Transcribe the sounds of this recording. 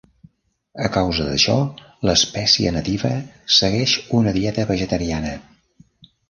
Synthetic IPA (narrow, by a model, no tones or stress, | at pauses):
əkawzəðəʃɔləspɛsiə̰nət̪iβəsəɣɛʃunəðiɛt̪əβəʒət̪əɾianə